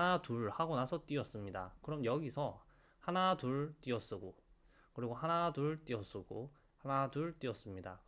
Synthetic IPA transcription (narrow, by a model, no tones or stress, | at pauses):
natuɭhaɡonasʰʌt͈iʌs͈ɯmɲida̰kɯɾʌmjʌɡisʰʌ | hanatuɭt͈iʌs͈ɯɡo | kɯɾiɡohanaduɭt͈iʌs͈ɯɡo | hanaduɭt͈iʌs͈ɯmɲida̰